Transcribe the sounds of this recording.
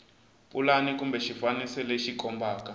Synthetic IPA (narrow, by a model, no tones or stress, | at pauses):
pʼulanikumbɛʃifanisɛlɛʃikʼɔmbaːka